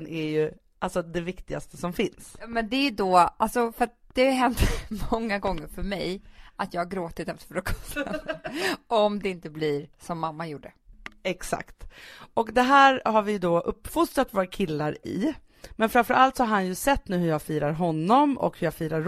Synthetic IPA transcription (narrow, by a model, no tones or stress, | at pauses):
nʔɛɾjɵ | ʔalsɔd̪ɛvɪkt̪ɪɡa̰st̪əsɔmfɪnsmɛnd̪ɛjd̪oalsɔfœɾat̪̚d̪̥ɛaɦɛnt̪mɔŋːaɡɔŋːəɾfœɾmɛjʔat̪jɑːɡhaɾɡɾoːt̪ɪt̪ɛft̪ə̥ɾfœɾɔkʰɔsɛ | ɔmd̪ɛɪnt̪əblɪɾsɔmːamːajuːɖə | ɛksa̰kt̪ɔkd̪ɛɦæːɾhaɾvɪjd̪oːʔɵpːfʊst̪ɾat̪voːɾakʰɪlːaɾɪ̰ | mɛnfɾamfœɾʔalt̪sɔhaɾɦanjɵsɛt̪ːnʉ̟ːhɵɾjaːɡfiːɾaɾɦɔnːɔmɔ̰khɵɾjaːɡfiːɾaɾ